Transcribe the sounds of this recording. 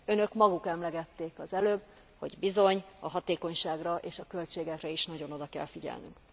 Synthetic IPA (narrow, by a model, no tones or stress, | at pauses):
ø̞nø̞kmɒɡukɛmlɛɡɛt̪ːeːkɒzɛløːb | ho̞̰ɟbizo̞ɲɒɦɒt̪eːko̞ɲʃaːɡrɒʔeːʃɒkø̞lt͡ʃeːɡɛkrɛiʃnɒɟo̞no̞d̪ɒkɛ̰lfiɟɛ̰lny̰ŋk